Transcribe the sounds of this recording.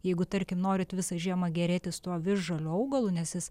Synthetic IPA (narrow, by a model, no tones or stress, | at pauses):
jɛɪɡʊt̪ɐɾʲkʲɪmnoːɾʲɪt̪ʋʲɪsɐʒʲiɛmɐɡʲɛɾʲeːt̪ʲɪst̪uɔʋʲɪʒʒɐlʲuɐʊɡɐlˠʊnʲɛsjɪs